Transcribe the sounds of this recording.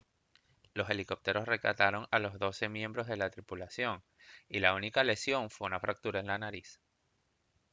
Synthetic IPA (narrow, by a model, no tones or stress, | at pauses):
lo̞se̞liko̞p̚t̪eɾo̞sre̞ka̰t̪aɾo̞ŋalo̞zðo̞se̞mjẽ̞mbɾo̞zðe̞lat̪ɾipulasjo̞ŋ | ilaunikale̞sjo̞ɱfwe̞unafɾak̚t̪uɾaenlanaɾis